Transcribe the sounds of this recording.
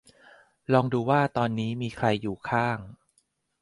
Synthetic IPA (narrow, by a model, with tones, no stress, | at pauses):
lɔː˧ŋduː˧waː˥˩t̪ɔː˧nːiː˦˥miː˧kʰɾa˧jːuː˨˩kʰaː˥˩ŋ